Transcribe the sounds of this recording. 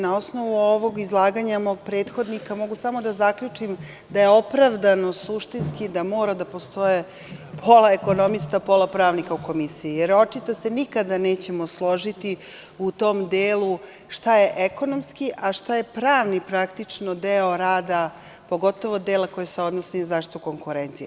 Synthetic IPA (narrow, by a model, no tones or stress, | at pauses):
nao̞snoʋuoʋo̞ɡizlˠaːɡaɲamoːɡ̚pɾeːt̪xo̞d̪nikamo̞ɡusamo̞d̪azakʎut͡ʂim | d̪aje̞o̞pɾaʋd̪ano̞suʃt̪inskid̪amo̞ːɾad̪apo̞st̪o̞je | pʰo̞laeko̞nomist̪apo̞lapɾaːʋnikauko̞misiijeɾo̞t͡ʂit̪ase̞nikad̪aneːt͡ɕe̞moslˠo̞ʒit̪i | ut̪o̞ːmd̪eːlu | ʂt̪ajeʔeko̞nomskiʔaʃt̪aje̞pɾaːʋnipɾakt̪it͡ʂnod̪eoɾaːd̪a | po̞ɡo̞t̪o̞ʋo̞d̪eːlako̞jeseo̞d̪nosinazaːʃt̪i̥t̪uko̞ŋkuɾent̪sije